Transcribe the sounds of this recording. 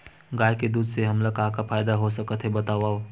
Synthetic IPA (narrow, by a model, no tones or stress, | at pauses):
ɡaːjked̪uːd̪seɦəmləɡ̚kãkapʰaːjd̪aɦosəkət̪ɦebət̪aːʋaːo